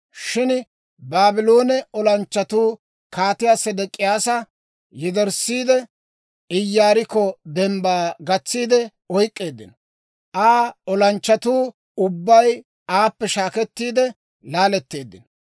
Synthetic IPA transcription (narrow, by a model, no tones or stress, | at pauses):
ʃɪn | baːbɪlo̞ːnɛɔlɐnt͡ʃːɐt̪uː | kaːt̪ɪjaːsɛd̪ɛkʼːɪjaːsɐ | jɪd̪ɛɾsiːd̪ɛ | ɪjːaːɾɪkːɔd̪ɛmbaːɡɐt͡sːiːd̪ɛ | ɔjkʼːe̞ːd̪ːɪ̰nɔ | ʔaːɔlɐnt͡ʃːɐt̪uː | ʊbːɐj | aːpːɛʃaːkɛt̪ːiːd̪ɛ | laːlɛt̪ːe̞ːd̪ːɪnɔ